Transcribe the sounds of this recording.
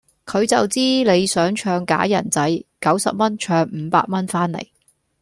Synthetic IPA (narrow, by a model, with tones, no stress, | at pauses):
kʰɵ˨˧ɥt͡sɐ˨wt͡siː˥le˨˧jsœː˨˥ŋt͡ʃʰœː˧ŋka̰ː˨˥jɐ̰˨˩nt͡sɐ˨˥jkɐ˨˥wsɐ̰˨p̚mɐ˥nt͡ʃʰœː˧ŋm̩ː˨˧pa̰ː˧t̚mɐ˥nfaː˥nlḛ˨˩j